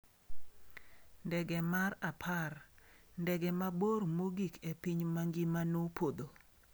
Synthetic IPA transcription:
ndɛɡɛmarapʰarndɛɡɛmaboɾmoɡikepiɲmaŋɡimanopod̪o

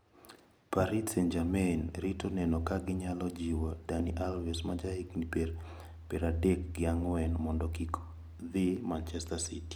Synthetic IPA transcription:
paɾitsɛnd͡ʒamɛnɾitonɛnɔkaɡɪɲalɔd͡ʒiwodaniʔalvɛsmad͡ʒahiknipeɾ | pɛɾadɛkɡɪaŋɔwɛnmɔndɔkiko̥ | ðimant͡ʃɛstasiti̥

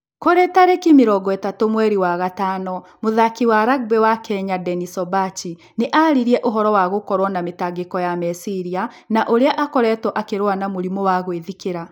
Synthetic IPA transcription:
koɾɛtaɾekimeɾɔɡɔɛtatomwɛɾiwaɣataːnɔmoðakiwaɾaɡ̚bɛwakɛɲadɛnisɔbat͡ʃi | neʔaɾiɾiɛʔoɦɔɾɔwaɣokɔɾwɔnametaɡekɔjamɛsiɾia | naʔoɾeaʔakɔɾɛtɔʔakeɾwanamoɾimɔwaɣweðikeɾa

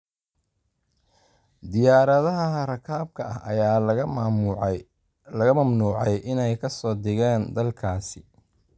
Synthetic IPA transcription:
d̪ɪjaːɾɐðɐɦɐɦɐrɐkʰaːb̚kʰɐɐ̰hʔɐjaː | lɐɣɐmɐmnuːʕɛjʔɪnɛjkʰɐsɔːd̪ɪɣaːnd̪ɐlkʰaːsɪ̥

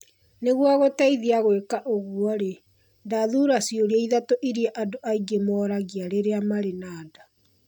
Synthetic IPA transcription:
neɣwaɣotaiðiaɣwekaʔoɣwɔɾe | ndaðuːɾasjoɾeaiðatoʔiɾiaʔadoʔaiɡemɔːɾaɣiaɾeɾeamaɾenaːda

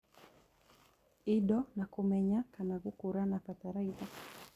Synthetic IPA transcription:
iɗɔnakumɛɲakanaɣukuɾanapataɾaiða

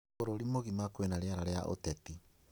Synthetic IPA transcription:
oɾoɾimoɣimakowenaɾeaɾaɾeaʔo̰tɛti

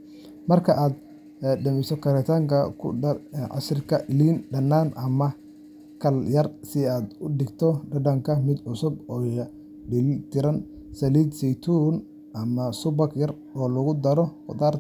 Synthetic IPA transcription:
mɐrkʰɐʔaːd̪ | ɖɐmɪsɔkʰɐɾɛt̪ʰaːŋkʰɐkʰʊ̰ɐʕɑ̰srɪkʰɐʔɪliːnɖɐnːaːnʔɐmɐ | kʰɐljɐrsɪaːd̪ʊɖɪɡt̪ʰɔɖɐɖɐŋkʰɐmɪd̪ʕʊsʊbɔːj | ɖɪlt̪ʰɪɾɐn | sɐliːd̪sɛjt̪ʰuːn | ʔɐmɐsʊbɐkjɐr | ɔːlɐɣʊd̪ɐɾɔqɔd̪aːr

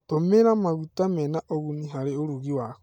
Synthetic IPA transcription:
tomeɾamaɣutamɛnaʔoɣuniɦaɾeoɾuɣiwak

